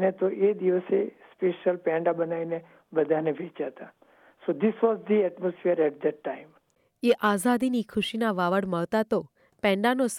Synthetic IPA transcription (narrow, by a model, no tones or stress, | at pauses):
net̪oʔed̪iʋəsespeːʃəlpɛ̃ɳɖabɐnainẽ | bəd̪ʱanebʱeːt͡ʃat̪a | sod̪ɪsʋɔːzd̪iɛʈmosfiəɾɛʈ̚d̪ɛʈːãɪ̃m | eʔazad̪inikʰʊʃinaʋaʋəɽməɭt̪at̪o | pɛ̃ɳɖanos